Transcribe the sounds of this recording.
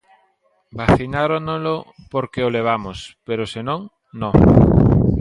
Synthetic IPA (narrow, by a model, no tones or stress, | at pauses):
baθinaɾonolo | poɾkeoleβ̞amospeɾosenõŋ | no